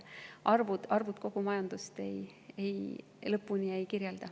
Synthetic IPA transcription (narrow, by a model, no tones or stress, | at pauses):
ʔɑrvud̪̥ɑrvud̪̥̚ko̞ɡ̥umɑjɑnd̪̥ust̪e̞̰j | ej | lɤpːuniejkirjeld̪̥ɑ